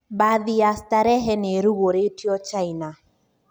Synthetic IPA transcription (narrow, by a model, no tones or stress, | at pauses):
baðiastaɾɛɦɛneɾuɣoɾetiɔt͡ʃaina